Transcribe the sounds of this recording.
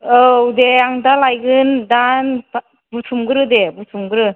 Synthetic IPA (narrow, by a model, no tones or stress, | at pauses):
owdeaŋdalajɡɯndan | butʰumɡɯɾɯdebutʰumɡɯɾɯ